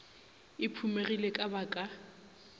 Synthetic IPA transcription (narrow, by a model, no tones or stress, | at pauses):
ɪpʰumerilekʼabakʼa